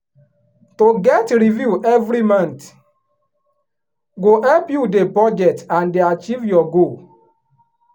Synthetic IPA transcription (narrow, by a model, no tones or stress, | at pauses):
toɡɛtɹivjuʔɛvɾimãnt | ɡoɛlpjudebɔd͡ʒɛtãndeat͡ʃivjɔɡo